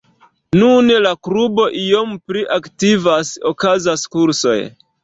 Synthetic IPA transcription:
nunlakɾubo̞ʔijo̞mpɾiʔaktivasokazaskuɾso̞̰j

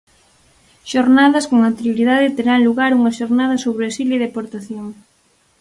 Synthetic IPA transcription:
ʃoɾnaðɐskoŋant̪eɾjoɾiðaðɪt̪eɾaŋluɣaɾuŋɐʃoɾnað̞ɐsoβɾesileðepoɾt̪aθjoŋ

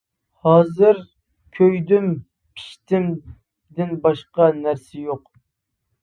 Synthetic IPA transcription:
hɑːzɨɾ | kʲʰøjd̪ym | pʰi̥ʃt̪ʰɪm | d̪ɪnbɑʃqɑnæɾsɪjoq

